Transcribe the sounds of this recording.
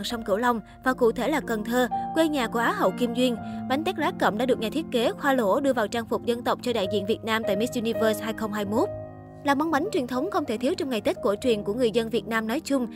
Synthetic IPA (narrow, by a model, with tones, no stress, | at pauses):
ŋsa˧wŋ͡mkɨ̰˧˩əwla˧wŋ͡m | vaː˨˩kṵ˧˨t̪ʰe˧˩laː˨˩kə˨˩nt̪ʰəː˧kwe˧ɲaː˨˩ku˧˩əʔaː˨˦ɦə̰˧˨wki˧mzwi˧ənɓa˨˦jŋ̟t̪a˦˥k̚laː˨˦kə̰˧˩mɗa̰˧˥ɨ˨˩ək̚ɲaː˨˩t̪ʰət̚ke˨˦xwaː˧lo˧˩ɗɨ˧əvaː˨˩wt͡ɕaː˧ŋfʊ˨˩k͡p̚zə˧nt̪ə˨˩wk͡p̚t͡ɕɔ˧ɗa̰ː˧˨jzḭ˧˨ənvi˨˩ət̚naː˧mt̪a̰ː˧˨jmi˦˥t̚ʔu˧ni˧vəː˧shaː˧jxə˧wŋ͡mɦaː˧jmo˦˥t̚ | laː˨˩ma˧wŋ͡mɓa˨˦ŋt͡ɕwi˨˩ənt̪ʰə˨˦wŋ͡mxə˧wŋ͡mt̪ʰe˧˩t̪ʰi˨˦əwt͡ɕɔ˧wŋ͡mŋa˨˩jt̪i˦˥t̟̚ku˧˩ət͡ɕwi˨˩ənku˧˩əŋɨ˨˩əjzə˧nvi˨˩t̚naː˧mnɔ˨˦jt͡ɕʊ˧ŋ͡m